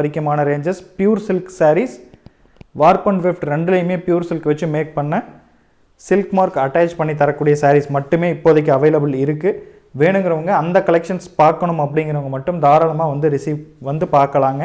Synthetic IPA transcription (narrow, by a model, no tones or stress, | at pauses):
ɐɾɪkːɐmaːnɐɾeːɲd͡ʒɐspjuːɾsɪlksaːɾis | ʋaːɾk̚pɔɳʈfɪfʈɾɛɳɖɯlɐjmeːpjuːɾsɪlkʋɐt͡ʃːɯmeːk̚pɐɳːɐ | sɪlkmaːɾkɐʈːaːt͡ʃpɐɳːit̪ːɐɾɐkːuːɽɪjɐsaːɾismɐʈːɯmeːɪpːoːðɐkːɯɐʋɐɪlɐbɯlɪɾɯkːɯ | ʋeːɳɯŋɡɪɾɐʋɐŋɡɐːnd̪ɐkɐlɛkʂɐnspaːɾkɐɳɯmɐpːɐɽɪŋɡɪɾɐʋɐŋɡɐmɐʈːɯmd̪aːɾɐlɐmaːʋɐnd̪ɯɾɪsiːʋʋɐnd̪ɯpaːɾkɐlaːŋɡɐ